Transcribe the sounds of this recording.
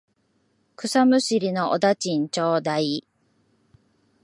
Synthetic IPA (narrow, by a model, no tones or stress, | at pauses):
kɯ̟samɯ̟ɕiɾʲino̞ʔo̰d̪at͡ɕĩɲt͡ɕoːd̪ai